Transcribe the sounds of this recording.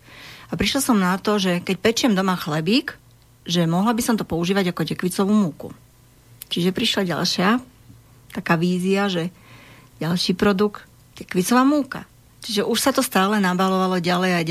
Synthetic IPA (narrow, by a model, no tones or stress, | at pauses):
apɾiʃlasɔmnat̪ɔʒɛkɛc̚pɛt͡ʃɪɛmd̪ɔmaxlɛbiːk | ʒɛmɔɦlabisɔmt̪ɔpɔuʒiːʋaɟakɔcɛkʋit͡sɔʋumuːkṵ | t͡ʃiʒɛpɾiʃlaɟa̰lʃɪa | t̪akaːʋiːziaʒɛ | ɟalʃiːpɾɔd̪ukt̪ | cɛkʋit͡sɔʋaːmuːka̰ | t͡ʃiʒɛʔuʃsat̪ɔst̪aːlɛnabalɔʋalɔɟalɛjaj